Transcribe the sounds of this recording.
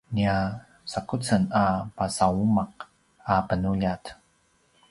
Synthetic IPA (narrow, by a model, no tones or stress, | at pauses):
nia | sakut͡sənapasaumaq | apənuʎat